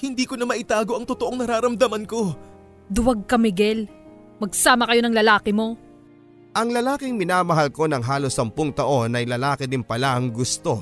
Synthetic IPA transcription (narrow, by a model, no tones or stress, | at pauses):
hɪnd̪iːkonɐmɐʔɪt̪aːɡo̞ʔɐŋt̪ot̪oʔoŋnɐɾaːɾɐmd̪ɐmɐnko̞ | d̪ʊwɐɡ̚kɐmɪɡɛl | mɐɡ̚saːmɐkɐjo̞nɐŋlɐlaːkɪmo̞ | ʔɐŋlɐlaːkɪŋmɪnaːmɐɦɐlko̞nɐŋɦaːlo̞sːɐmpʊŋt̪ɐʔo̞nɐjlɐlaːkɪd̪ɪnpɐlaʔɐŋɡʊst̪o̞